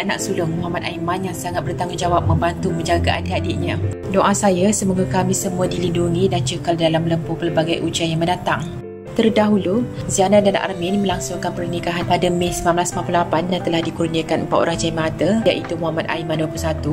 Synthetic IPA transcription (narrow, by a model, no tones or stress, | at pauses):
ana̰k̚sulʊŋmuɦamat̪aimanjaŋsaŋat̪̚bərt̪aŋud͡ʒawap̚mə̃mbant̪umə̃ɲd͡ʒaɡaʔa̰diadiʔɲã | doʔasajasəmuɡakamisəmũadilinduŋĩdant͡ʃəkaldalamləmpʊpərbaɡajʔut͡ʃiajaŋmə̃ndat̪aŋ | t̪ərdaɦuluzianadana̰ʔa̰rmɪnmə̃laŋsʊŋkanpərnikaɦanpadamesəmanblasəmaplulapandant̪əlahdikurniəkanəmpat̪o̰ɾahd͡ʒaimat̪əjaʔit̪umuɦamat̪a̰imanduəpuusat̪u